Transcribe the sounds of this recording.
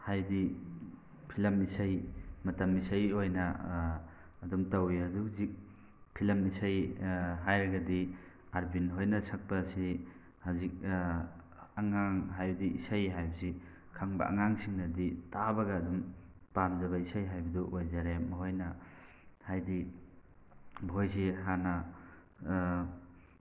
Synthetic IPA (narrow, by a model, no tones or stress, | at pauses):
hajdi | pʰilɐmisajmɐtɐmisajojnɐ | dumtɐwiɐduhzik̚ | pʰilɐmisajɦajɾɐɡɐdi | aɾbinɦojnɐsʰak̚pɐsi | hazik̚ | ɐŋaŋɦajbɐdiḭsajɦajbɐsi | kʰaŋbɐ̰ʔɐ̰ŋaŋsiŋnɐditabɐɡɐːdum | pamzɐβɐisajɦajbɐduʔojzaɾemɐɦojnɐ | hajdi | bɦojsiɦanɐ